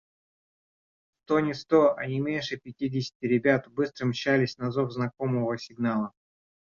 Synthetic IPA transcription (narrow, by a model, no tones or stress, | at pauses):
st̪o̞nʲɪst̪oɐ̰nʲɪmʲenʲʂɨpʲɪtʲidʲɪsʲɪ̥tʲɪɾʲɪbʲat̪bɨst̪ɾəmʲɕalʲɪsʲnɐzovznɐkoməvəsʲɪɡnalˠə